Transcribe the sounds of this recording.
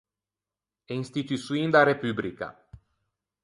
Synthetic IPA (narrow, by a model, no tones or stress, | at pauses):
einst̪it̪isuind̪aɾepyblika̰